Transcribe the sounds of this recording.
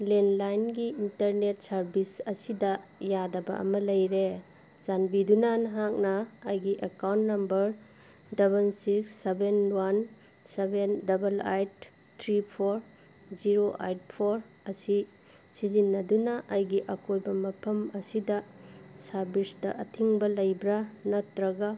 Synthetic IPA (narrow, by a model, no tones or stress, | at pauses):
lenlajnɡiintɐɾnet̚sɐɾbisɐsidɐjadɐbɐ̰ʔɐ̰mɐlɐjɾe | z̥anbidunɐnɦak̚nɐːjɡiʔekawntnɐmbɐɾ | dɐβɐlsiksːebenwan | sebendɐbɐlajt̚ | tʰɾipʰoɾ | ziɾoʔa̰jt̚pʰoɾ | ɐsi | sizinːɐdunɐʔɐjɡiʔɐkojbɐmɐpʰɐmɐsidɐsaɾbisdɐ̰ʔɐtʰiŋbɐlɐjbɾanɐtɾɐɡa